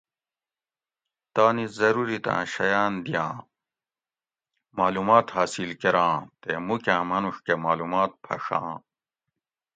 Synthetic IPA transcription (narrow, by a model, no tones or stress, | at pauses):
t̪aːnizɐɾuɾit̪ã̰ːɕɐjaːnd̪ijãː | maːlumaːt̪haːsilkeɾãːt̪emukʲãːmɐnuʂkemaːlumaːt̪̚pʰɐ̰ʂã̰ː